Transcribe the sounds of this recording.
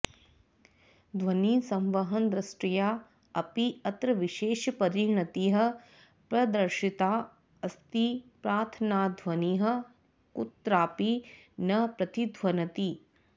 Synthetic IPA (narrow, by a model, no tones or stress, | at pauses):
d̪ʱʋɐniːsɐ̃mʋɐɦɐnd̪ɾɐsʈɾijaː | ɐpiɐt̪ɾɐʋiʃeːʃpɐɾinɐt̪iːɦɐ̆ | pɾɐd̪ɐɾʃit̪aː | ɐst̪ipɾaːt̪ʰɐnaːd̪ʱʋɐniːɦɐ̆ | kut̪ɾaːpinɐpɾɐt̪id̪ʱʋɐnɐt̪i